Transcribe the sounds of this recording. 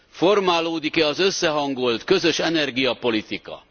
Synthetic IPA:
fo̞rmaːloːd̪ikɛɒzø̞sːɛɦɒŋɡo̞lt̪kø̞zø̞ʃɛnɛrɡijɒpo̞lit̪ikɒ̰

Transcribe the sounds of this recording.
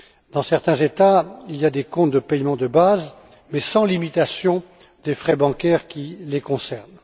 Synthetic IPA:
d̪̥ɑ̃sɛʁt̪ɛ̃zet̪ailjad̪ekɔ̃t̪̚d̪əpɛjmɑ̃d̪əbaz | mɛsɑ̃limit̪asjɔ̃ | d̪efχɛbɑ̃kʲɛʁkʲilekɔ̃sɛʁn

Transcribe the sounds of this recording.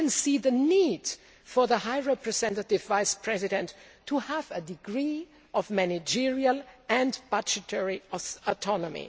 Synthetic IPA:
ɨ̃nsiðənid̥ | fɔ˞ðəhaɪɹɛpɹɨzɛ̃ntətɪvvaɪspʰɹ̥ɛzɪɾɛ̃ntʰːuhævədɪɡɹi | ʔɔvmænɪd͡ʒɪɹiəlˠɨ̃ndb̥ʌd͡ʒɨtʰɛɹiɔtʰɔnɔmḭ

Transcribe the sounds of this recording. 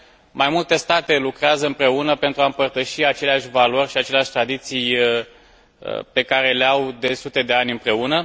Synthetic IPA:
majmult̪e̞st̪at̪e̞lukɾeazəɨmpɾe̞unəpent̪ɾuaɨmpərt̪əʃiat͡ʃe̞leaʃʲvalo̞rʲʃiat͡ʃe̞leaʃʲt̪ɾad̪it̪sij | pe̞kaɾe̞leawd̪e̞sut̪e̞d̪e̞anʲɨmpɾe̞unə

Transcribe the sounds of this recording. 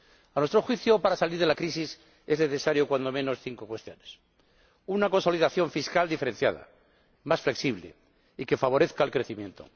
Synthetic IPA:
anwe̞st̪ɾo̞xwiθjopaɾasaliɾð̞e̞lakɾisis | ezne̞θe̞saɾjo̞kwand̪o̞mẽ̞no̞sθiŋko̞kwe̞st̪jo̞nes | unako̞nso̞liðaθjo̞ɱfiskald̪ife̞ɾen̟θja̰ð̞a̰ | masfle̞ksiβlḛ | ike̞faβo̞ɾeθkaːlkɾe̞θimje̞nt̪o̰

